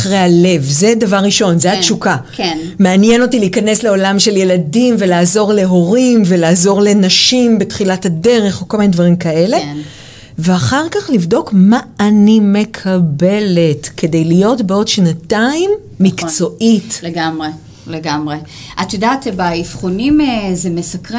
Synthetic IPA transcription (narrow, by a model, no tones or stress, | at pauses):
aχʁejhale̞vzedavaʁːiʃo̞nzejat͡ʃukakn | meanjeno̞tiliikɐne̞sle̞o̞lamʃe̞lje̞ladimve̞laːzo̞ʁle̞ɦo̞ʁimve̞laːzo̞ʁle̞naʃimbetχilathade̞ʁe̞χokolminedvaʁimkaʔe̞le̞ | veaχaʁkaχlivdo̞kmaːnime̞kʰabe̞le̞tke̞de̞jlijo̞tbeo̞dʃnataimː | ikt͡so̞ʔitleɡamʁe | leɡamʁe | ʔat̪jodaːtbaifχonimezemesakʁi